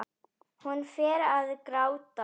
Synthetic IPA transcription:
hunːfɛːɾaðkɾaːwt̪a

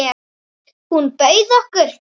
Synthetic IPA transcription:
hunpœɥðɔhkʏɾ̥

